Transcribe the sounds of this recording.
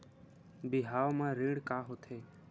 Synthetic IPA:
bɪɦaːʋmãːɾiːɽkaːɦoːt̪ʰeː

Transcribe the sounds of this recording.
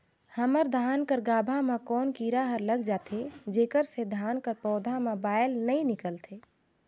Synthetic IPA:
həməɾd̪ʱankəɾɡabʱamekɔːnkiɾaɦəɾləɡd͡ʒat̪ʰed͡ʒekəɾsed̪ʱankəɾpɔːd̪ʱamebajlnəjnikəlt̪ʰe

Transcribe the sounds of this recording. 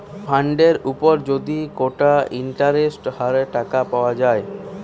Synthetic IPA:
pʰaɳɖeɾupoɾd͡ʑod̪ikoʈaiɳʈaɾesʈhaɾeʈakapaoad͡ʑae

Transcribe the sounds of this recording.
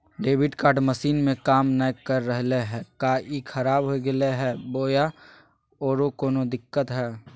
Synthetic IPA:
ɖeːbɪʈkaːɾɖməsiːnmẽkaːmnəjkəɾːəɦleɦɛ̃ːkaːʔikʰɐɾaːbɦoɡeleɦɛːboːja | ɔːɾokoːnod̪ɪkːət̪ɦɛː

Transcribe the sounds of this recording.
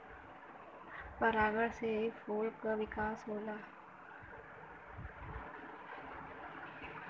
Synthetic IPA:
pəɾaːɡəɽsefoːlkaʋɪkaːsɦoːlaː

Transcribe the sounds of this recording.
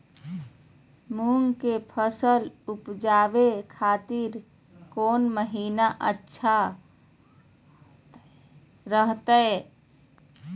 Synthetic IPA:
muŋɡkepʰəsəlupd͡ʒaːbekʰaːt̪iɾ | koːnməɦinaʔə̰tːʃʰa | ɾəɦt̪əe

